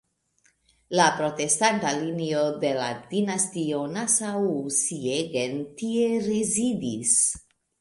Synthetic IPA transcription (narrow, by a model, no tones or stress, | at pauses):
lapɾo̞te̞stantalinio̞de̞la̰dinastio̞nasawsieɡe̞ntieɾezidis